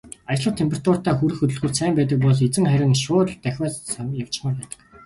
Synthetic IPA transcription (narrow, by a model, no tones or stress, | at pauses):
ajə̆ɮə̆wt̪ʰempʰʲer̥ḁt̪ʰʊr̥t̪aːxuɾɘ̆xɵt̪ɵ̆ɮɣŭːrsæːmpæːt̪̬ə̆k̚pɔɮet͡sɘ̆ŋχæɾʲɪ̆ŋʃʊːt̪̆ɮt̪ːæxʲwæːssamjaw̥t͡ɕ̆maːrpæːt̪ə̥̆k